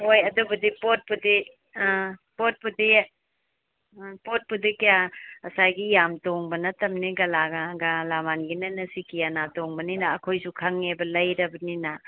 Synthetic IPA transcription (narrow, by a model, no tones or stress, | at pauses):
hojɐdubɐdipot̚pudi | pot̚pudi | pot̚pudikijaɐsajɡijamtoŋbɐnɐtɐmniɡɐlaɡɐɡalamanɡinɐnɐsikijanatoŋbɐninɐːkʰojsukʰɐŋebɐlɐjɾɐbɐninɐ